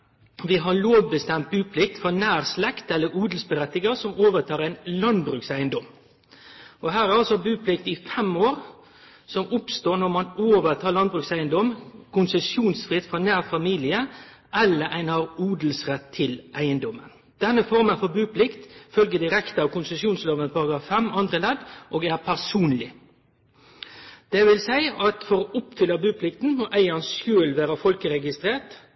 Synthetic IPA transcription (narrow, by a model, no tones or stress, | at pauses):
ʋɪɦɑloːʋbəst̪ɛmt̪̚bʉːpʰlɪk̚t̪fɔnæːɾslɛkt̪ɛlːəɾuːd̪l̩sbəɾɛt̪ːɪɡɑsɔmoːʋət̪ʰɑːɾæɪnlɑnd̪bɾʉːksæɪənd̪ɔm | ɔɦæːɾæɾɑlsɔbʉːpʰlɪkt̪ɪfɛmoːɾ | sɔmʊpst̪oːnɔɾmɑnoːʋət̪ʰɑːɾlɑnd̪bɾʉːksæɪənd̪ɔmkʰʊnsəsjuːnsfɾɪt̪ːfɔnæːʁfɑmiːlɪəʔɛlːəɾʔæɪnhɑːɾuːd̪l̩sʁɛt̪ʰːɪlʔæɪənd̪ɔmːən | d̪̥ɛnːəfɔɾmənfɔɾbʉːpʰlɪkt̪fœlɡəd̪ɪɾɛkt̪əɑːʋkʰʊnsəsjuːnsloːʋənpʰɑɾɑɡɾɑːfːɛmɑnd̪ʁəlɛd̪ʔoːɡæɾpʰæʁsuːnlɪ | d̪̥ɛʋɪlsæɪɑt̪fɔɾɔʔʊpːfʏlːɑbʉːpʰlɪkt̪n̩mɔʔæɪɑnsʃøːlʋæːɾəfɔlkəɾɛɡɪst̪ɾeːt̪